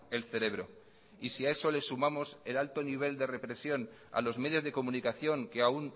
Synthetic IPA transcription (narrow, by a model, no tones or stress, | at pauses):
e̞lθe̞ɾe̞β̞ɾo̞ | isiae̞so̞le̞sumamo̞se̞lalt̪o̞niβ̞e̞ld̪e̞re̞pɾe̞sjo̞n | a̰lo̞zme̞ð̞jo̞zð̞e̞ko̞mũnikaθjo̞ŋkeaun